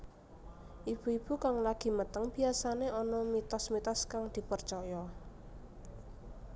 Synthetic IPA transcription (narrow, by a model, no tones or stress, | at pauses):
ʔib̥uib̥ukaŋlaɡ̥i̤mət̪əŋb̥i̤asaneʔɔnɔmit̪ɔsmit̪ɔskaŋd̪̥i̤pərt͡ʃɔjɔ